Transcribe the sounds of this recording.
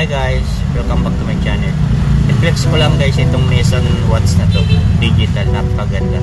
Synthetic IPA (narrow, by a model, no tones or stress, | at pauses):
ɐjɡajs | pɛɾkɐmbɐk̚t̪ɐmɐt͡ʃanɛʔɪflɛkskolɐŋɡajsɪt̪oŋmɛsɐnwat̪snɐt̪od̪id͡ʒɪt̪ɐlʔɐpɐɡɐnd̪ɐ̰